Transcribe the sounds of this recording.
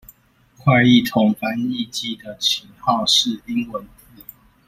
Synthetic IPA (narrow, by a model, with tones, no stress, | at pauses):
kʰwa˥˧ɪi˥˨t̪ʰʊ˨˥ŋfa˦ni˥˧t͡ɕi˥˨d̪ə˨t͡ɕʰi˨˦ŋhɑ˥˨ʊʂɻ̩˥˨i˦ŋwə˨˦nt̪ʰi˨˦